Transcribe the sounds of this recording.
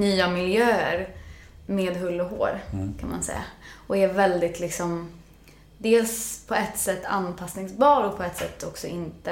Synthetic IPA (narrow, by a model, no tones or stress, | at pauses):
nyːamɪljøːəɾmeːd̪ɦɵlːɔɦo̰ːɾkʰanma̰nsɛ̰jːa̰ʔɔɛɾvɛld̪ɪt̪ʰlɪksɔm | d̪eːlspʰɔɛt̪ːsɛt̪ːa̰nːpʰasnɪŋsbɑːɾɔk̚pʰɔɛt̪ːsɛ̰t̪ːɔksɔɪnt̪ə